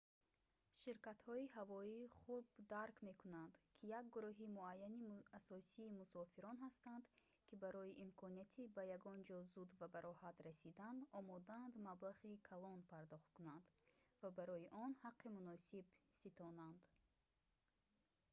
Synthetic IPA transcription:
ʃiɾkat̪hɔiɦavɔiːχuɾbd̪aɾkme̞kʰunand̪kʰijak̚ɡuɾɔɦimuajːaniasɔsiːmusɔfiɾɔnhast̪and̪ | kʰibaɾɔjiʔimkʰɔniat̪ʰibajaɡɔnd͡ʒɔzud̪vabaɾɔhat̪ɾasid̪and̪ɔmɔd̪and̪mablaʁikʰalɔnpʰaɾd̪ɔχt̪kunand̪vabaɾɔiʔɔnhaqʰːimunɔsibsit̪ɔnand̪

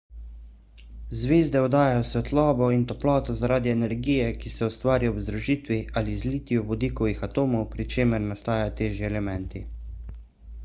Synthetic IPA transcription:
zʋeːzd̪ɛɔd̪aːjajɔsʋɛt̪lɔːbɔint̪ɔplɔːt̪ɔzaɾaːd̪iɛnɛɾɡiːjɛkisɛust̪ʋaːɾiɔbzd̪ɾuʒiːt̪ʋiʔaːlizliːt̪jɔbɔd̪iːkɔʋixat̪oːmɔwpɾit͡ʃeːmɛɾnast̪aːjajɔt̪eːʒjiɛlɛmɛnt̪i

